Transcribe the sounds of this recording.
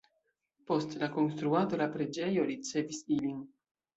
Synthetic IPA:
post̪lakonst̪ɾuat̪olapɾed͡ʒejoɾit̪sevisilin

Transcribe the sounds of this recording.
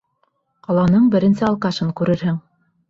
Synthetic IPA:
qɑlˠɑnɤɴbɘ̆ɾɘ̆nsɘɑlˠqɑʃɤŋkʉɾɘɾɦɘŋ

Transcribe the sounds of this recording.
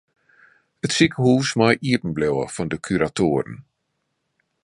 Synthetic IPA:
ətsikəhuːsmɔjʔiəpən̩blɛwə̰fɔndəkʰyɾatʰoːəɾə̰n

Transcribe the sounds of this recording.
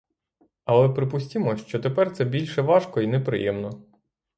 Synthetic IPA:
ɐlˠɛpɾɪpʊsʲtʲimɔʃt͡ʃɔt̪epɛrt̪sɛbʲilʲʃɛʋɑʃkɔinɛpɾɪ̰jɛmnɔ

